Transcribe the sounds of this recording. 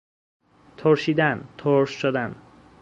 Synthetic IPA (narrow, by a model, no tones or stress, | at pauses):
t̪ʰoɾʃiːd̪ænt̪ʰoɾʃʃod̪æn